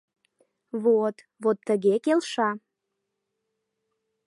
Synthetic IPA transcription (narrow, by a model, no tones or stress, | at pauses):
βot̪ | βot̪ːəɣekelʃɑ